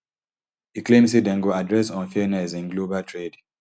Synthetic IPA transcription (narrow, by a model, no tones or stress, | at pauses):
hiklẽmsidɛ̃ŋɡoadɹɛsɔ̃nfɛnɛsĩnɡlobaltʰɹed